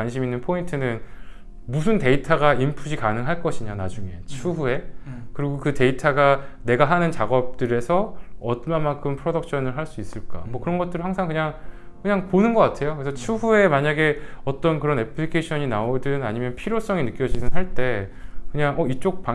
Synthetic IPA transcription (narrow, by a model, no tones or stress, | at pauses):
wanɕʰiminːɯnpʰointʰɯnɯn | musʰɯnte̞itʰaɡaimpʰud͡ʑʰikanɯŋɦaɭk͈ʌɕʰiɲanad͡ʑuŋe̞̰t͡ɕʰuɦue̞kɯɾiɡokɯte̞itʰaɡane̞ɡaɦanɯnt͡ɕaɡʌp̚t͈ɯɾe̞sʰʌʌtmamaŋkʰɯmpʰɯɾodʌk̚ɕʰʌnɯɭɦaɭs͈uis͈ɯɭk͈a̰mwʌkɯɾʌnɡʌt͈ɯɾihaŋsʰaŋkɯɲaŋ | kɯɲaŋponɯnɡʌk͈atʰe̞jokɯesʰʌt͡ɕʰuɦue̞maɲaɡe̞ʌt͈ʌnkɯɾʌne̞pʰɯɾikʰeɕʰʌɲinaodɯna̰ɲimjʌnpʰiɾjos͈ʌŋenɯk͈jʌd͡ʑinɯnɦaɭt͈e̞kɯɲaŋʌit͡ɕ͈ok̚p͈a